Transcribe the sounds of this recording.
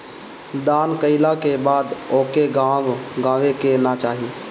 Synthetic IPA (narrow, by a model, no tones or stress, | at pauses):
d̪aːnkəɪlakebaːd̪oːkeɡãʋɡãːʋekenat͡ʃaːɦi